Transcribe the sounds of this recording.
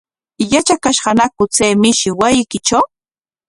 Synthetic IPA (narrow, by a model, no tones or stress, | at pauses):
jat͡ʃakaʃɢɑnakʊt͡sejmɪʃɪwajɪkɪt͡ʃaw